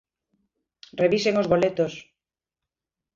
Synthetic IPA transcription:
reβiseŋozβolet̪os

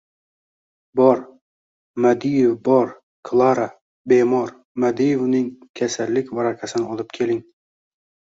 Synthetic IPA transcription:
bɒɾ | mad̪ijevbɒɾ | kʰlˠaɾa | be̞mɒɾ | mad̪ijevnɪŋkʲʰasalːɪkʲvaɾakʰasɪnɪɒlˠɪp̚kʲʰe̞lɪŋ

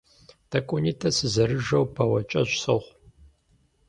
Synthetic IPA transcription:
tʰɐkʷʼʊniːtʰɐsɨzɐɾɨʒɐwpʰɐwɐt͡ʃʼɐɕʷsɐχʷ

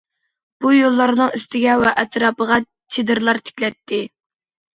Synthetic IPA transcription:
b̥ujolˠːɑɾnɨŋyst̪ʰɪɡʲɛwɛʔɛt̪ʰɾɑːpʰəʁɑ | t͡ʃʰed̪ɨɾlˠɑɾt̪ʰɪ̥kʲlɛt̪ʰːɪ

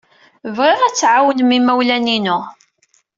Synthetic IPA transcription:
vʁɪʁæt͡sːʕawənmimæwlæninʊ

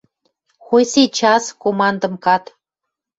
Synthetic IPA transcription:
xojsʲet͡ɕɑskomɑnd̪ɤ̆mkɑt̪

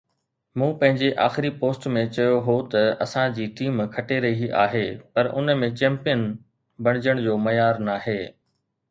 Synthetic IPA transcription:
mũːpɐ̃ɦɪ̃ɲd͡ʑeʔaːxɪɾipoːsʈmẽt͡ɕɐjoɦot̪ɐɐsãd͡ʑiːʈiːmkʰɐʈeɾɐɦiʔa̰ːɦeːpɐɾʔʊ̰nmẽt͡ɕɛ̃ːmpijən | bɐɽ̃ɪd͡ʑəɽ̃d͡ʑoːmɐjaːɾnaːɦeː

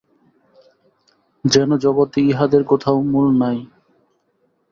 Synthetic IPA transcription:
d͡ʑɛnod͡ʑɔɡot̪iiɦad̪eɾkot̪ʰaomulnaj

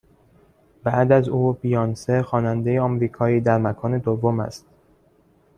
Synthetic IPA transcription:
b̥æʔd̪æzuːbijɒːnsexɒːnænd̪e̞jeɒmɾiːkʰɒːiːd̪æɾmækʰɒːne̞d̪ovːomæ̰st̪

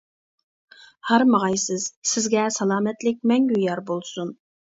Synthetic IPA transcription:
hɑɾməʁɑjsɪz̥sɪzɡʲɛsɑlˠɑːmɛt̪lɪk̚ʲmɛŋɡʲyjɑɾbolˠsun

